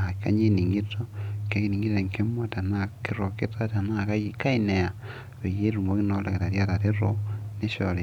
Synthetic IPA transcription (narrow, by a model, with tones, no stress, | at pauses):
a˨ka̰˦ɲe˦ni˨ŋi˦to˦ŋke˦ki˦ni˨ŋɡi˦ɾe˨ŋke˦mwa˦ta˨na˦keɾo˨ke˦ta˦ta˨na˦ka˦jika˦i˦ne˨ja˨ | βe˨je˦ɾu˨ŋo˦ki˦no˦la̰˨ke˨ɾa˨ɾja˦ta˨ɾe˦ɾone˦ʃoɾe˨